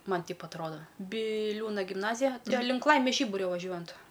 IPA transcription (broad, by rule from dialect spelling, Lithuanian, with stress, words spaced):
ˈmɐn ˈtʲɛɪp ɐtˈroːdɐ bʲɪˈlʲuːnɐ ɡʲɪmˈnɑːzʲɪjɛ ˈtʲɛn lʲɪŋk ˈlˠɐɪmʲeːs ˈʒʲiːbʊrʲoː ʋɐˈʒʲuɔjɛnt